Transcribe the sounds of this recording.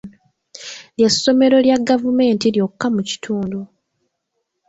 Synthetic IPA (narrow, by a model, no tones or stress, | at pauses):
ljesːo̞me̞ɾo̞ljaɡavume̞ːntiljokːamuci̥tʰuːndu